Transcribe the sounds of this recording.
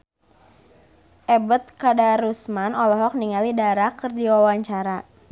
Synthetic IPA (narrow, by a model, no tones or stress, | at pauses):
ʔɛbət̪̚kadaɾusmanɔlɔɦɔk̚niŋalidaɾakərdiwawaɲt͡ʃaɾa